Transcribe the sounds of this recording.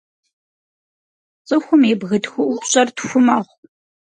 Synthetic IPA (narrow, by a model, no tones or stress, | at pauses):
t͡sʼɨxʷʊmeːbɣɨtxʊʔʷʊpɕʼɐrtxʷʊmɐʁʷ